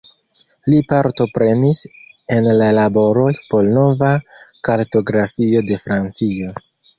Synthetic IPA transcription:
lipaɾto̞pɾe̞nis | e̞nlalabo̞ɾo̞jpo̞lno̞vakaɾto̞ɡɾafio̞de̞fɾant͡sio̞

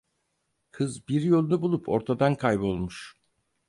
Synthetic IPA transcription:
kʰɯzbiɾjo̞lˠunubulˠupʰo̞̰ɾt̪ʰad̪ankʰajbo̞lˠmuʃ

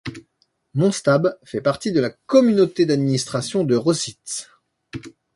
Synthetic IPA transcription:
mɔ̃st̪abfɛpaʁt̪id̪əlakɔmynot̪ed̪ad̪minist̪χasjɔ̃d̪əʁɔsit̪

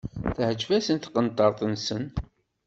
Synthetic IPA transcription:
θəhəd͡ʒvæsənt̪qənt̪ˤɑɾˤt̪ˤənsən

